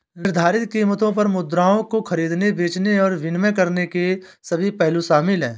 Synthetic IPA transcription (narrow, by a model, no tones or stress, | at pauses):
nɪɾd̪ʱaːɾɪt̪kiːmət̪õp̬ɐɾmʊd̪ɾaːõkoxɐɾiːd̪nebeːt͡ʃneɔːɾʋɪnmək̬ɐɾneke | sɐbʱipɛɦluʃaːmɪlɦɛ̰̃ː